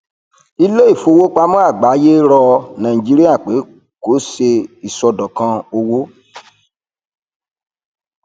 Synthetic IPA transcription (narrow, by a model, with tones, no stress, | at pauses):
i˧le˦i˦˨fo˧wo˦k͡pa˧˦mɔ̃˦a˦˨ɡ͡ba˨˦je˦ɾɔ˧nã˨ĩ˨d͡ʒi˦ɾi˦a˦˨k͡pe˨˦ | ko˨˦se˧i˨sɔ˨˧dɔ˨kã˧o˧wo˦